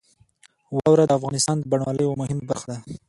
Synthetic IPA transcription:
wɑwɾad̪əafɣɑnɪst̪ɑnd̪əbaɳwɑləjomʊhɪmabaɾxad̪a

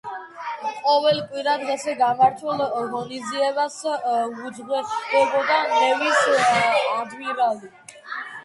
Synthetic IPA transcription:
qʼɔvɛlkʼwiɾad̪ʁɛsɛɡamaɾt̪ʰwɛlˠɣɔniziɛβasɡudzʁwɛsʰɔbɔd̪aɛvisː | d̪miɾali

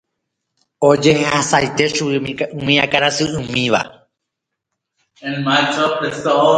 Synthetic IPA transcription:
od͡ʒe̞hehasajt̪e̞ʃumĩakaɾasɨɨ̃mĩʋa̰ | ẽnmajt͡ʃɔdeso

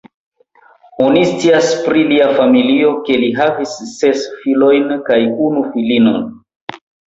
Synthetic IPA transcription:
onist͡siaspɾiliafamilio̞ke̞liɦavisːe̞sfilo̞jnkajunufilino̞̰n

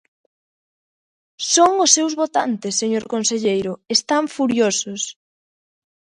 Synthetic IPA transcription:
soŋʊsːewzβot̪a̰nt̪ɪsːeɲoɾkonseʎejɾʊest̪aɱfuɾjosʊs

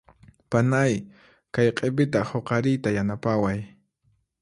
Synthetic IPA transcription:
panaj | kajqʼepɪt̪̬ahoqɑɾɪjt̪ajanapawaj

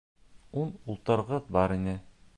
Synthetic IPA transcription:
unulˠt̪ɤ̆ɾʁɤðbɒɾinɘ

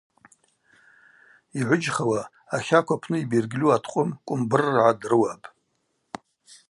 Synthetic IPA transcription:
iʕʷʊd͡ʒχawa | aχʲakʷapʰnɨibirɡʲlʲuatʰqʷʼʊmkʷʼʊmbɨrːʕadrɨwapʼ

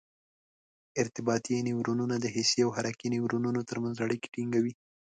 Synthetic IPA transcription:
ɪɾt̪ɪbɑt̪iniwɾununad̪əɦɪsiawɦaɾakiniwɾununot̪əɾmanzaɽike̥ʈiŋɡawi

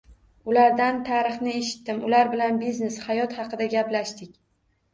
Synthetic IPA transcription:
ʊlaɾd̪ant̪ʰaɾɨχnɪeʃɪ̥t̪ːɪmʊlaɾbɪlanbizne̞shajɒt̪hɑqɨd̪aɡʲaplaʃt̪ɪkʲ

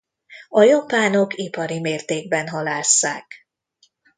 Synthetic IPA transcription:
ɒjɒpaːnokipɒɾimeːrt̪eːɡ̚bɛnɦɒlaːsːa̰ːk

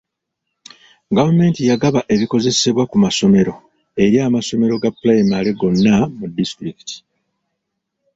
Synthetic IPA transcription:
ɡavame̞ntijaɡaβaʔe̞βiko̞ze̞se̞βwakumaso̞me̞ɾo̞ | e̞ɾjaːmaso̞me̞ɾo̞ɡapːlajmaleɡo̞nːamudːistɾiki̥tʰi̥

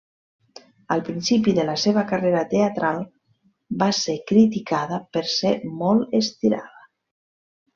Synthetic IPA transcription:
əlˠpɾinsipiðələseβəkəreɾət̪eət̪ɾalˠ | basekɾit̪ikaðəpəɾsemɔlˠəst̪iɾa̰ðə

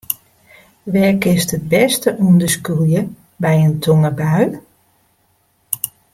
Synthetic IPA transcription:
ʋɛkɪstət̚bɛstəʔundəskulˠjə | bɛjəntʰoŋəbaɥ

